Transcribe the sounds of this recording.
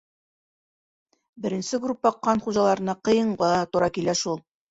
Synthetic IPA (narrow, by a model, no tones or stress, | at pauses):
bɘ̆ɾɘ̆nsɘɡrupːɒqːɑnχuʒɑlˠɑɾɤ̆nɑqɤ̆jɤ̆ɴɢɑt̪ŏɾɑkilæʃulˠ